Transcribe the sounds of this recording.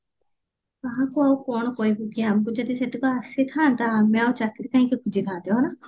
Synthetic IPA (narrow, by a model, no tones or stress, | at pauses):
aɦãkuawkɔɽ̃ɔkoibuɡiamkud͡ʒɔd̪iset̪ikɔasit̪ʰaːnt̪aːmeawt͡ʃakiɾikaɦĩkekʰud͡ʒʱit̪ʰãːt̪ibana